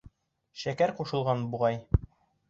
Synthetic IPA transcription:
ʃækæɾquʃɤ̆lˠʁɑnbuʁɑj

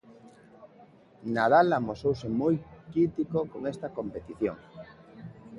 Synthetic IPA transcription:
naðalamosowsemojkit̪ikokoŋest̪akõmpet̪iθjo̰ŋ

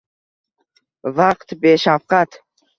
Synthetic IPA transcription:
vaqt̪beʃafqat̪ʰ

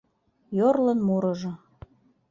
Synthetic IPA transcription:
jorlə̆nmuɾɤ̆ʒɤ̆

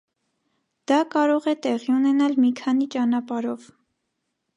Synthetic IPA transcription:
d̪̥ɑkɑɾɔʁɛt̪ɛʁiunɛnɑlmikʰɑn̪it͡ʃɑnɑpɑɾɔv

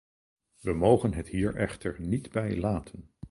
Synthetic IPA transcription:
ʋəmowχənɦəthiːɹʔɛχtəɹnidbɛjlaːtʰən

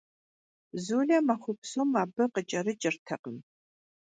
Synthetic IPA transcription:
zuːɮɐmɐχʷʊpsomaːbɐqət͡ʃʼɐɾɨt͡ʃʼɪrtʰɐqəm

